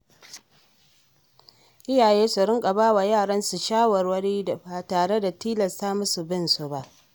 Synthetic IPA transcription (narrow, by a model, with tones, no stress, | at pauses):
ʔɪ˦jaː˨jeː˦su˨ɾɪ˦ŋkʼa˨baː˦wa˨jaː˦˨ɽɐ˦nsu˨ʃaː˦wɐ˨rwɐ˦ɽiː˦a˨baː˨taː˨ɽe˦da˨tiː˦lɐ˨sta˦mʊ˦su˨bɪ˦˨nsu˨ba˦ʔ